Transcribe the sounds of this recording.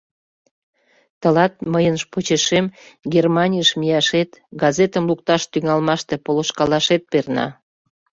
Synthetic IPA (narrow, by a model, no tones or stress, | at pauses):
t̪əlɑt̪̚məjənʃpot͡ɕeʃemɡʲermɑnʲijəʃmijɑʃet̪ɡɑzet̪əmluk̚t̪ɑʃt̪yŋɑlmɑʃt̪e̽poloʃkɑlɑʃet̪̚pernɑ̰